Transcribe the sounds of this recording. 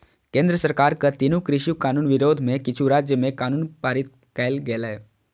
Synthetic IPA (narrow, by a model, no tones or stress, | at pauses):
kẽːnd̪ɾəsəɾkaːɾkat̪inukɾɪʃukaːnuːnʋɪɾoːd̪ʱmẽkɪt͡ʃʰuɾaːd͡ʒjəmẽkaːnuːnpaːɾit̪̚ | kɛːlɡeːlaɦɛ